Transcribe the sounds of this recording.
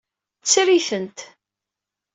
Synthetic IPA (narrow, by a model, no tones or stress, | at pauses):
t͡sːɾiθənt̪